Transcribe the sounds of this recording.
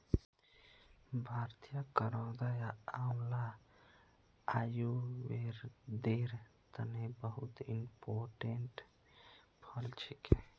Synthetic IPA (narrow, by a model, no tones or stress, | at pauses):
bʱaːɾt̪ijakəɾɔ̃ːd̪ajaamla | ajuweɾd̪eɾt̪ənebəɦut̪impoːʈeɳʈ | pʰəlt͡ʃʰike